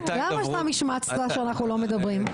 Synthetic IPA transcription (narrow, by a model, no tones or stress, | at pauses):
lamajɛʃtamiʃmat͡sadaʃeanaχnulo̞med̪ɐbʁim